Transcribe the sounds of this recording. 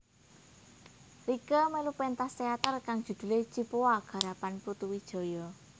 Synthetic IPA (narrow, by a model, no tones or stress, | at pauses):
rikəmelupɛnt̪ast̪eat̪ərkaŋd̥ʒ̥ṳd̪̥ṳlet͡ʃipoaɡ̥ä̤ɾapanput̪uwid̥ʒ̥ɔ̤jɔ